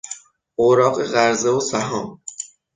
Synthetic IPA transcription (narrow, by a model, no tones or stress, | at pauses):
oɾɒːɢeɣæɾzeosæɦɒːm